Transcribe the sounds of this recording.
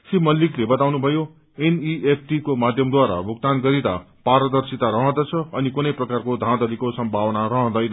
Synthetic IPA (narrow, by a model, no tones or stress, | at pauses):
simʌlːiklebʌt̪awnubʱʌjo | eniepʰʈikomad̪ʱjʌmd̪waɾa̰bʱukt̪anɡʌɾit̪a̰ | paɾʌd̪ʌrsit̪aɾʌɦʌ̃d̪ʌt͡sʰʌʌnikunʌjprʌkarkod̪ʱãd̪ʌlikosʌmbʱawʌnarʌɦʌ̃d̪ʌjn